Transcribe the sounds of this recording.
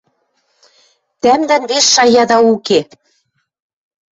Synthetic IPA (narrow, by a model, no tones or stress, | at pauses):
t̪æmd̪ænβesʃɑjɑd̪ɑuke